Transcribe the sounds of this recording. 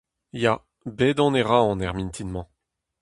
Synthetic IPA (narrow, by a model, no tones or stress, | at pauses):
ja | bed̪ɔ̃neʁaɑ̃nɛʁmĩnt̪ʰinmɑ̃